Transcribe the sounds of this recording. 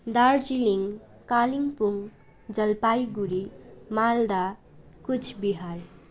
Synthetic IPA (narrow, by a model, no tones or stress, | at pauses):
d̪aɾd͡ʒiliŋ | kaliŋpuŋ | d͡ʒʌlpajɡuɾimald̪a | kut͡ʃʰbiɦaɾ